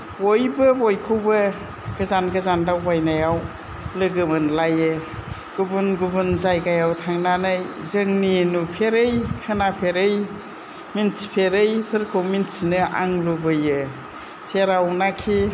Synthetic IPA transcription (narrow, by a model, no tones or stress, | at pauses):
ojbɯbojkʰɯwbɯ | ɡ̥ɯzanɡɯzandawbajnajaw | lɯɡɯmɯnlajɯ | ɡ̥ubunɡubɯnzajɡajawtʰaŋnanɯjzɯŋninupʰeɾɯjkʰɯnapʰeɾɯj | minsi̥pʰeɾɯjpʰɯɾkʰɯwminsinɯʔa̰ŋlubɯjɯ | sʰeɾawnakʰi